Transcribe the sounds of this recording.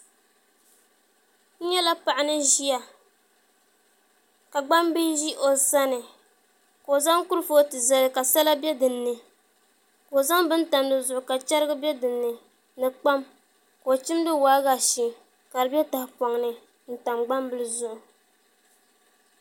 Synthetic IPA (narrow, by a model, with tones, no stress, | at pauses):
n̩˦ɲɛ˦la˦pa˨ʔa˨nɨ˦ʒi˦a˨ | ka˨ɡ͡ba˦mbi˦ʒi˦ʔo˨sa˦nɨ˨ | ko˨za˦ŋku˦ɾɨ˦fo˦tɨ˨za˨lɨ˨ka˨sa˦la˦bɛ˦dɨ˨nːɨ˨ | ko˨za˦ŋbɨ˦n̩˦ta˨mdɨ˦zʊ˨ʔʊ˨ka˨t͡ʃɛ˦ɾɨ˦ɡɨ˦bɛ˦dɨ˨nːɨ˨ | nɨ˨k͡pa˦m | ko˨t͡ʃi˦mdɨ˦waː˦ɣa˨ʃi˨ | ka˨lɨ˨bɛ˦ta˨hɪ˨pɔ˨ŋnɨ˨ | n̩˦ta˨mɡ͡ba˦mbɨ˦lɨ˦zʊ˦ʔʊ˨